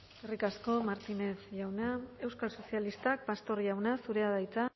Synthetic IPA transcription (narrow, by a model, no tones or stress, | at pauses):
erikasko̞maɾt̪ine̞θʝawnae̞wskalso̞sialist̪ak̚past̪o̞ɾʝawnasuɾe̞aðajt͡sa